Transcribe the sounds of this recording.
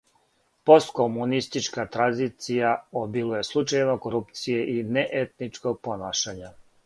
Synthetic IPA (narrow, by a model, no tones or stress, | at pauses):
po̞st̪komunist̪it͡ʃkat̪ɾanzit̪sijaobilˠujeslˠut͡ʃajnako̞ɾupt̪sijeʔineʔet̪nit͡ʃko̞ɡ̚po̞naːʃaɲa